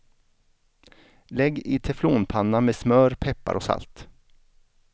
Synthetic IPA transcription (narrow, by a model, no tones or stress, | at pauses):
lɛɡːɪt̪ʰɛfloːnpʰanːameːsmœːɾpʰɛpːa̰ɾʔɔsa̰lt̪